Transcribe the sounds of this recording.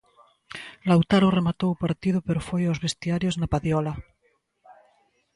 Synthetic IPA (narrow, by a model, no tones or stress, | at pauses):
lawt̪aɾoremat̪owupaɾt̪ið̞opeɾofejawzβest̪iaɾjoznapaðjɔla